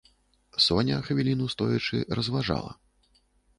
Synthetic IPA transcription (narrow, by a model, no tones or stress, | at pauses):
sɔnʲɐxvʲilʲinust̪ɔjɐt͡ʂɨ̰rɐzvaʐa̰lˠɐ̰